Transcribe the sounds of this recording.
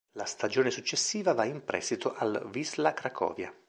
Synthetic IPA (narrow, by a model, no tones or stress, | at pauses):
last̪ad͡ʒoːnesut͡ʃːesːiːvavaimpɾɛ̰st̪it̪ʰoʔalvizlakɾakʰɔ̰ːvja̰